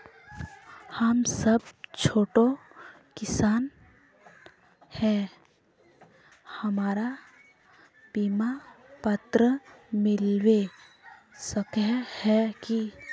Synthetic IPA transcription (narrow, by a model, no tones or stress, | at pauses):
həmsəb̚t͡ʃʰoːʈo | kɪsaːn | hɛ | hɐmaːɾa | biːmapət̪ɾəmɪlwe | səkɛhɛki